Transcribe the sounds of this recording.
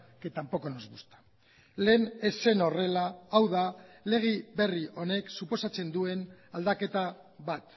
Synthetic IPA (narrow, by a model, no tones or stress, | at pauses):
ke̞t̪ampo̞ko̞nozβust̪ḁ | le̞ːne̞se̞no̞re̞laːwðale̞ɣ̞iβe̞riʔo̞ne̞ksupo̞sat͡se̞nd̪ue̞nald̪ake̞t̪a | βat̪